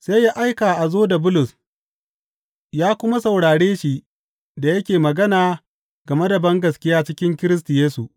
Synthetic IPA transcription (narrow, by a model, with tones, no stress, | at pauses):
se˦jːa˦ʔa˦jkaː˨ʔa˨zoː˦da˨bʊ˦lʊ˨s | jaː˦kʷʊ˦ma˦sɐ˨wɽaː˨ɽeː˦ʃi˨ʔ | da˨jɐ˦kʲeː˨mɐ˨ɡɐ˦naː˨ | ɡɐ˨me˦da˨bɐ˦ŋɡɐ˨skʲɪ˦jaː˦t͡ʃɪ˦kʲɪ˦ŋkʲɪ˦ɾɪ˦s̬tʊ˨jeː˦su˨ʔ